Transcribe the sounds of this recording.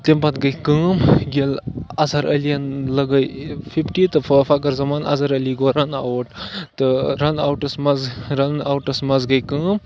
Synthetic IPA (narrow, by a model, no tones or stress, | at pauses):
t̪empɐt̪ɡɐjkɨːmɡelɐzɐɾʔɐlijɐnlɐɡɐjpʰipʈiːt̪ɨfʰɐkɐɾzɐmaːnɐ̰zɐɾɐliɡoːɾɐna̰wʈt̪ɨɾɐnawʈɐsmɐzɾɐnawʈɐsmɐzɡɐjkəːm